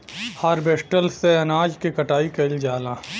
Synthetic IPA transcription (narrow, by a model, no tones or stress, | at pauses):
haːɾbeːsʈəlseɐnaːd͡ʒkekɐʈaːikɐld͡ʒaːlãː